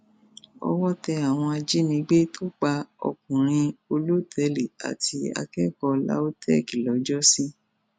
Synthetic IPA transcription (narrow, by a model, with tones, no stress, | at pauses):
ɔ̰˧wɔ˦tɛ˧a˨w̃ɔ̃˧a˧d͡ʒi˦nĩ˨˧˦ɡ͡be˦to˦k͡pa˧ɔ̰˧˨k̚ũ˨ɾ̃ĩ˧o˧lo˦tʰɛ˨˦le˨a̰˨ti˧a̰˧kɛ˦kɔ˧la̰˦o˦tɛ˦˨ki˨lɔ˨˦d͡ʒɔ˦sĩ˦